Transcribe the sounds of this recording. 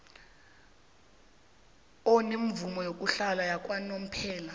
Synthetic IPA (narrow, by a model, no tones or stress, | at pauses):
ɔneɱvumɔjok̬ʼuɬalajak̬ʼwanom̩pʰɛːla